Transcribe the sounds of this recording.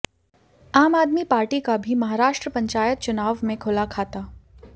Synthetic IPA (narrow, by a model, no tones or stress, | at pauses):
aːmaːd̪mipaːɾʈikabʱimɐɦaːɾaːʃʈɾəpɐ̃ɲt͡ʃaːjət̪̚t͡ʃʊnaːʋmẽkʰʊlakʰaːt̪aː